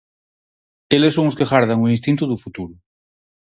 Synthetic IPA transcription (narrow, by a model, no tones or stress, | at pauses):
elesːõŋoskeɣaɾðaŋuĩnst̪ĩnt̪uðufut̪uɾu